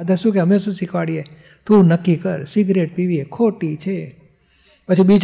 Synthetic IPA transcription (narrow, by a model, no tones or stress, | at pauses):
d̪ʱəsũkeɦəmeʃũsikʰʋaɽije | t̪unəkːikəɾsiɡɾeʈ̚piʋiekʰoʈit͡ʃʰe | pət͡ʃʰibid͡ʒ